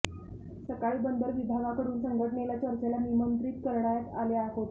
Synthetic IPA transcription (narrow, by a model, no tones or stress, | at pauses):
səkaɭiːbənd̪əɾʋib̪ʱaɡakəɾuːnsəŋɡʱəʈəɳelat͡ɕəɾt͡ɕelanimənt̪ɾiːt̪kəɾɳajat̪aljaɦot̪